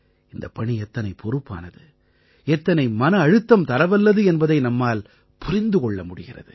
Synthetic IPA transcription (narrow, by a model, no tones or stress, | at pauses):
ɪnd̪ɐpɐɳiɛt̪ːɐnɐɪpʰɔɾɯpːa̰ːnɐðɯ | ɛt̪ːɐnɐɪmɐnɐːɻɯt̪ːɐmt̪ɐɾɐʋɐlːɐðɯɛnbɐðɐɪnɐmːaːl | pʊɾɪnd̪ɯkɔɭːɐmʊɽɪɣɪrɐ̰ðɯ